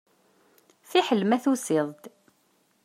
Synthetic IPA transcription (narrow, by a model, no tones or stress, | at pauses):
θiħəlːmæθusɪðˤd̪